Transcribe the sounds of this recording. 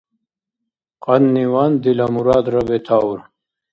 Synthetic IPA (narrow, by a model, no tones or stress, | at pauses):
qɐnːiwaːnd̪ilamuɾaːd̪ɾɐbet̪ʰaːwuɾ